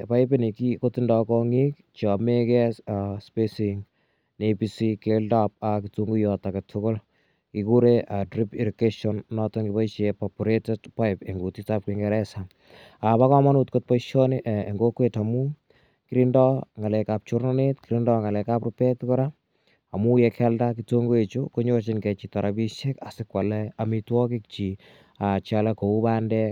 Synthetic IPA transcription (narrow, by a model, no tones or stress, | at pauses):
pajpenikikotindɔkɔŋik̚ | t͡ʃɔmekɛsaspesiŋ | nepisikeldap̚akituŋɡujɔtaketʰʊkol | kikuɾeʔadɾipeɾukeʃɔnnɔtɔŋɡipait͡ʃepɔpuɾetɛtpaɪpeŋɡutitap̚kiŋɡɛɾɛsa | apakɔmanutkot̚paiʃɔneʔeŋɡokwetamu | kiɾindɔŋalɛkap̚t͡ʃoɾnɔnetkiɾindɔŋalɛkaprɔpɛtkɔɾa | amujɛkʰɛldakitoŋɡoet͡ʃukoɲot͡ʃɪnkɛt͡ʃitɔɾʔabiʃekasɪkwalɛamitwɔkɪk̚t͡ʃi | at͡ʃalakoubandɛ